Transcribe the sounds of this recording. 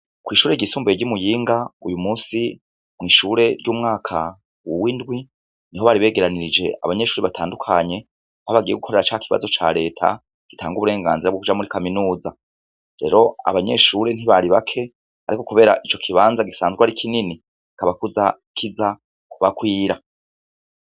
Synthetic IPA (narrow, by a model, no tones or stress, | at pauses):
kwiːʃuːɾe̞ɟisuːmboeɟumujiːŋɡaujumuːsi | mŋiːʃuɾe̞ɾɟuːmŋaːkʰa | wowindɡwi | niɦo̞βaɾiβe̞ːɡe̞ɾaniɾid͡ʒe̞ʔa̰βaɲe̞ʃuːɾeβatʰaːndukʰaɲe̞ | hoβaɡije̞ɡukʰo̞ɾe̞ɾat͡ʃaːkiβa̰zo̞t͡ʃa̰ːɾe̞ːtʰa̰ | ɡ̥itʰaːŋɡuβuɾe̞ːŋɡa̰ːnziɾaβbɡokud͡ʒamuɾikaminuːza | ɾe̞ːɾo̞a̰βaɲe̞ʃuɾe̞n̥iβaɾiβakʰe̞ | a̰ɾiko̞kuβe̞ːɾaʔit͡ʃo̞kʰiβaːnzaɡisaːnzɡwaɾikʰinini | i̥kaβakuza | kʰiza | kuβakwiːɾa